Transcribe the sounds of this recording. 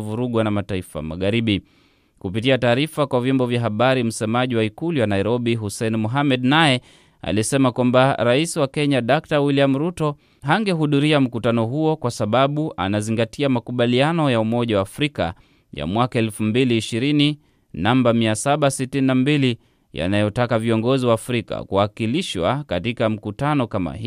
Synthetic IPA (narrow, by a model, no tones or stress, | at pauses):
vuɾuɠwanamataifa̰ma̰ɠaɾiɓi | kupitiataːɾifakwavjɔmbɔvjaɦaɓaɾim̩sɛmaʄiwaikuliwanaiɾɔɓiɦusɛnmuɦamɛdnajɛ | a̰lisɛmakwambaɾaisiwakɛɲaɗak̚tawiliam̩ɾutɔ | ɦaŋɡɛɦuðuɾiam̩kutanɔɦuɔkwasaɓaɓuʔa̰naziŋɡatʰiamakuɓalianɔjaumɔʄawaːfɾika̰ | ja̰mwakaɛlfumbiliːʃiɾini | nambamiasaɓasitininambili | ja̰najɔtakaviɔŋɡɔziwaːfɾika̰kuwakiliʃwa̰katikam̩kutanɔkama̰hi